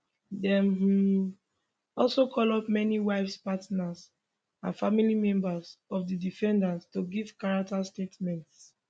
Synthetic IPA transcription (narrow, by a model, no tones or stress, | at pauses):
dɛ̃mhu | ɔlsokʰɔlɔp̚mɛniwaɪfspatnas | ãnfamilimɛ̃mbazɔvdidifɛ̃ndastuɡivkaɹak̚tastetmɛ̃nts